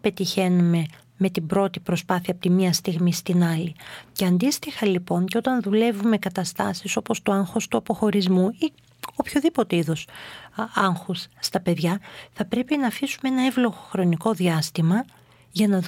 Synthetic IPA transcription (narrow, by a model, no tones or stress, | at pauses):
pe̞t̪içe̞nume̞ | me̞t̪ibɾo̞t̪ipɾo̞spɐθiɐpot̪imiɐst̪iɣmist̪inɐliceɐnd̪ist̪ixɐlipo̞ɲceot̪ɐnðule̞vume̞kɐt̪ɐst̪ɐ̰siso̞po̞st̪uɐŋxo̞st̪uɐpo̞xo̞ɾizmui | opço̞ðipo̞t̪eiðo̞s | ɐŋxusːt̪ɐpe̞ðʝɐθɐpɾe̞pinɐːfisumeenɐevlo̞ɣoxɾo̞niko̞ðiɐst̪imɐ | ʝɐnɐ